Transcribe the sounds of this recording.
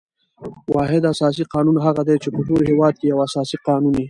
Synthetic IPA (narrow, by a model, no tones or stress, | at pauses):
wɑɦɪd̪asɑs̬iqɑnunɦaɣad̪et͡ʃepəʈolhɪwɑd̪̚kejawasɑsiqɑnuni